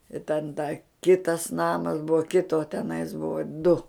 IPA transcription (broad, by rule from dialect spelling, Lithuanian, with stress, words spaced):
ɪ tʲɛn dɐ ˈkʲɪtɐs ˈnɑːmɐs ˈbʊʋoː ˈkʲɪtoː tʲɛˈnɐɪs ˈbʊʋoː dʊ